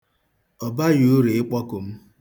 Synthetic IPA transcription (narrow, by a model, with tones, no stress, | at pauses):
ɔ˨ba˦jo˨˦o˦ɾi˨ɪ˦k͡pɔ˦kʊ˨m̩˦